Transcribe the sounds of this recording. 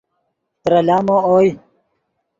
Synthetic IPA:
t̪ɾɐlaːmooːj

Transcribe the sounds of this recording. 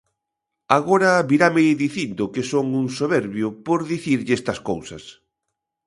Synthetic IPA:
aɣoɾɐβiɾameðiθind̪ʊkɪsoŋuŋsoβɛɾβjʊpoɾðiθiɾʎest̪ɐskowsɐs

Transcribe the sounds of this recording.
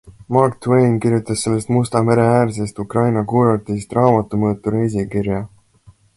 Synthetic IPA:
mɑrkt̪wejnkiɾjut̪ːˑɑsːe̞lːe̞st̪must̪ɑme̞ɾe̞æːɾse̞st̪ukrɑjnɑkuːɾɑt̪ːˑisst̪rɑːmɑt̪ːˑumɤːt̪ːˑuɾes̬ikiɾjɑ

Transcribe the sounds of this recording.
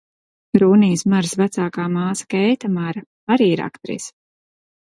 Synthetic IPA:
ɾuːniːsmaɾsvæt̪saːkaːmaːsḁkɛjt̪amaɾɐ | aɾiːiɾa̰kt̪ɾḭːs

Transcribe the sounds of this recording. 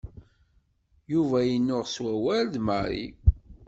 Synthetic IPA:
juvæjənːʊʁswæwæld̪məɾḭ

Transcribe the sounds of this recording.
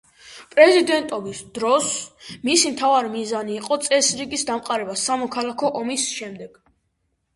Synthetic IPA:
pʼɾɛzid̪ɛnt̪ʼɔbisd̪̥ɾɔsmisimt̪ʰavaɾimizaniːqʼɔt̪sʼɛsɾiɡisd̪amqʼaɾɛbasamɔkʰalˠakʰɔʔɔmisʃɛmd̪ɛɡ̥

